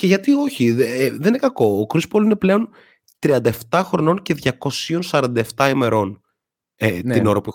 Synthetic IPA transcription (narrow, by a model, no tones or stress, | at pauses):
ce̞ʝɐt̪io̞çiðeninekɐko̞ːkɾispolineple̞o̞n | t̪ɾiɐnd̪ɐe̞ft̪ɐxɾono̞nce̞ðʝɐko̞sio̞nsɐɾɐnd̪ɐeft̪ɐime̞ɾo̞n | et̪inoɾɐpui